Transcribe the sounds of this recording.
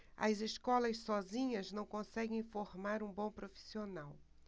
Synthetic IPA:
ɐ̰zeʃkɔlɐʃsɔzĩɲɐznɐ̃w̃kõsɛɡẽj̃foɾmaɾũbõw̃pɾofi̥sionaw

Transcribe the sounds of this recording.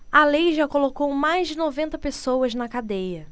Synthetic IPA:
ɐlejʒakolokowmajzd͡ʒɪnovẽnt̪ɐpesowɐznɐkad̪ejɐ

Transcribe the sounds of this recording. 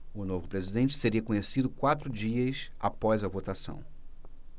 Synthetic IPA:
ʊnovʊpɾezid̪ẽnt͡ʃɪ̥seɾiɐkõɲesid̪ʊkwat̪ɾʊd͡ʒiɐsa̰pɔjzɐvot̪asɐ̰̃w̃

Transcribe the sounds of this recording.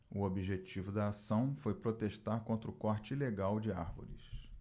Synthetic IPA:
ʊobiʒet͡ʃivʊd̪ɐːsɐ̃w̃fojpɾot̪eʃt̪aɾkõnt̪ɾʊkɔɾt͡ʃɪileɡawd͡ʒɪaɾvo̰ɾɪ̰s

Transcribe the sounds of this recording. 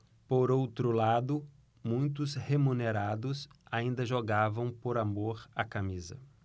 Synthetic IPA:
poɾowt̪ɾʊlad̪ʊ | mũj̃t̪ʊshemuneɾad̪ʊsaĩnd̪ɐʒoɡavɐ̃w̃poɾamoɾakamizɐ

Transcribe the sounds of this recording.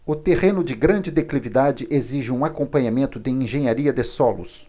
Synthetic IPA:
ʊt̪eʁẽnʊd͡ʒɪɡɾɐ̃d͡ʒɪd̪eklivid̪ad͡ʒɪʔeziʒɪũakõpɐ̃ɲamẽnt̪ʊd̪ɪĩʒẽɲaɾiɐd̪ɪsɔlʊ̰s

